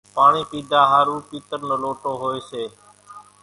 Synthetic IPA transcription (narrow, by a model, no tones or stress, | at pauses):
paːɳiːpiːd̪ʱaːɦaːɾuːpiːt̪əɾnəloːʈoːɦoːeːseː